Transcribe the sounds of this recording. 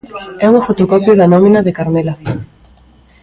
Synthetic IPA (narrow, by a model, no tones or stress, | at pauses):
ɛuŋfot̪okɔpjoðɐnɔmĩnaðekaɾmela